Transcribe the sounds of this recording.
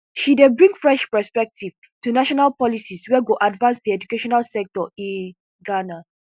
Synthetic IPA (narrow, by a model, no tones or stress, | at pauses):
ʃidebɹĩŋɡfɹɛʃpɛspɛk̚tʰiv | tunaʃɔnalpɔlisiswɛɡoʔadvãnsd̪iɛd͡ʒukeʃɔnalsɛk̚tɔĩn | ɡana